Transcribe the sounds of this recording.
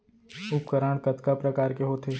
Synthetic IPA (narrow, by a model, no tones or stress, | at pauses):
ʊpkəɾaːɽ̃kɐt̪kapɾɐkaːɾkeɦoːt̪ʰeː